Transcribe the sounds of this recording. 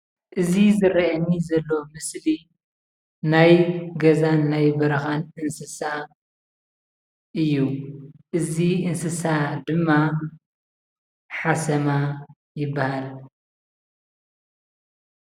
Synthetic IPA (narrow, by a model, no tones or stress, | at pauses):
ʔɨzizɨɾiʔɐnːizɐlːo̞mɨsli | najɡɐzanːajbɐɾɐxanɨnsɨsa | ʔɨjːuʔɨziɨnsɨsad̪ɨmːa | ħasɐma | jɪbːahal